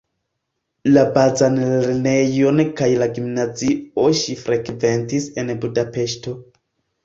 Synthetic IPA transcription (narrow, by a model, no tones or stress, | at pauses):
labazanleɾne̞jo̞nkajlaɡimnazioʃifɾʔekve̞ntise̞nbudape̞ʃto̞